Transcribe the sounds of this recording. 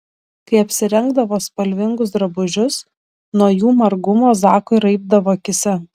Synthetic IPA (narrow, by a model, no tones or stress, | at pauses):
kɐɪɐpʲsʲɪɾʲɛŋɡd̪ɐʋoːspɐlʲʋʲɪŋɡʊsd̪ɾɐbʊʒʲʊs | nuɔjuːmɐɾɡʊmoːzɑːkoɪɾɐɪb̚d̪ɐʋoːkʲɪsʲɛ